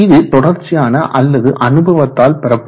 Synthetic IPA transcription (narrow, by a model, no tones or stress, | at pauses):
ðɯt̪ɔɽɐɾt͡ʃːɪjaːnɐʔɐlːɐðɯʔɐnɯbɐʋɐt̪ːaːlpɛɾɐpː